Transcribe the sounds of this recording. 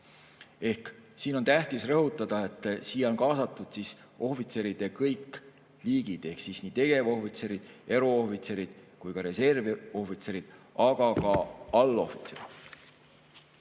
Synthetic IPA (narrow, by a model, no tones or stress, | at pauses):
e̞hksiːno̞nt̪æht̪isrɤɦut̪ːˑɑd̪̥ɑe̞t̪ːˑsiːjeo̞nkɑːsɑt̪ːˑud̪̥sis | o̞fit̪se̞ɾid̪̥e̞kɤjkːˑ | liːɡid̪̥e̞hksisniːt̪e̞ɡ̥e̞vo̞fit̪se̞ɾid̪̥e̞ɾo̞ofit̪se̞ɾid̪̥kujkɑɾe̞se̞rviofit̪se̞ɾid̪̥ɑɡ̥ɑkɑɑlːo̞̰fit̪seɾɑ